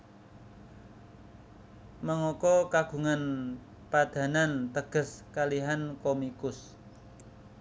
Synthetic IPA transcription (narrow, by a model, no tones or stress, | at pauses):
məŋɔkɔkaɡ̥ṳŋan | pad̪̥ä̤nant̪əɡ̥ə̤skaliɦankomikʊs